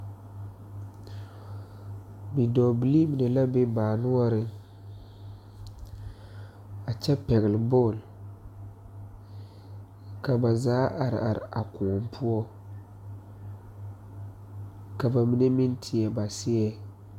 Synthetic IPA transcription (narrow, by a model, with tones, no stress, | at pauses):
bi˨dɔ˨bi˨li˦mi˨ne˨la˦be˦baː˨nʊ˦ɔ˦ɾɪ˦ | a˨t͡ʃɛ˦pɛ˨ɣɪ˨lɪ˨bɔː˦˨l | ka˨ba˨zaː˨˦ʔa˨ɾɪ̰˨ʔa̰˨ɾɪ̰˨ʔa̰˨kʊ˨mpʰu˦ɔ˦ | ka˨ba˨mi˦ne˦mi˦ntʰɪ˨ɛ˨ba˨sɪ˦ɛ˦